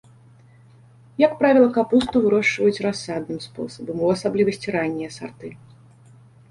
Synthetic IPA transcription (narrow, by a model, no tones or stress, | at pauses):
jɐkpɾavʲilˠɐkapust̪uvɨɾɔʂvɐjut͡sʲrasːad̪nɨmspɔ̰sɐbɐmuasablʲivɐsʲt͡sʲiɾanʲːijɐsa̰rt̪ɨ